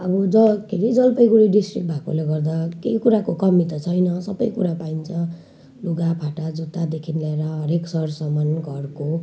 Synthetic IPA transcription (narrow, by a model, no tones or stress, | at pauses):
ʌbʌd͡zʌkʰiɾid͡zʌlpʌjɡuɽiɖisʈrik̚ʈ̚bʱako̰leɡʌrd̪akeikuɾakokʌmit̪ʌt͡sʰʌjnʌsʌbʌjkuɾapaint͡sʰʌ̃ | luɡapʰaʈad͡zut̪ad̪ekʰinleeɾʌɦʌɾeksʌɽsʌmʌnɡʱʌrko